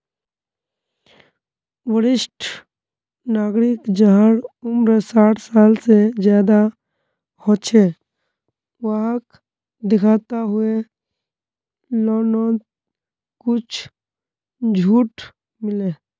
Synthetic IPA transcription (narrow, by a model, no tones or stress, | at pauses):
ʋəɽɪsʈʰ | naːɡɾɪkd͡ʒəɦəɽʊmɾəsaːʈʰsaːlsed͡ʒjaːd̪a | hot͡ʃʰe | ʋaɦk | d̪ɪkʰaːt̪aɦʊe | lɔːnoːt̪ | kʊt͡ʃʰ | d͡ʒʱuːʈ | mɪleː